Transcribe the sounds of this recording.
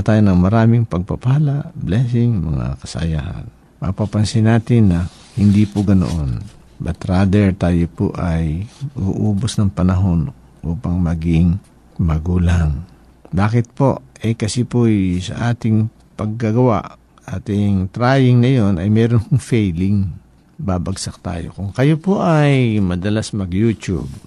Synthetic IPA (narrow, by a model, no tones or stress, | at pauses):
t̪aːjonɐŋmɐɾaːmɪŋpɐɡ̚pɐpahalaʔblɛːsɪŋmɐ̰ŋa̰kɐsɐ̰jaːhɐ̰n | mɐ̰papɐnsɪnaːt̪ɪnːɐ | hɪnd̪ipʊɡɐno̰ʔon | bɐt̪ɾaːd̪ɛɹt̪aːjopoʔɐjɐɡṵʔuːbosnɐŋpɐnɐɦo̞n | ʔuːpɐŋmɐɡɪŋ | mɐɡuːlaŋ | baːkɪt̪̚po̞ʔʔɛkɐsipojsɐ̰ʔaːt̪ɪŋ | pɐɡ̚ːɐɡɐwa̰ʔ | ʔaːt̪ɪŋt̪ɾaːjɪŋnɐjo̞nɐjmɛːɾonkʊŋfɛjlɪŋ | babɐɡsɐk̚t̪a̰ːjo̰kʊŋkɐjopoʔɐjmɐd̪ɐlasmɐɡjuːt͡ʃṵb̚